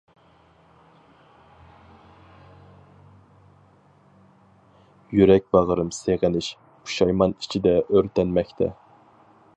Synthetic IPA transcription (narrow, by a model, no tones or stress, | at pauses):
jyɾɛk̚ʲbɑʁəɾɨmseʁɪnɪʃ | pʰu̥ʃɑjmɑni̥t͡ʃʰid̪ɛʔøɾt̪ɛnmɛkʲt̪ʰɛ̰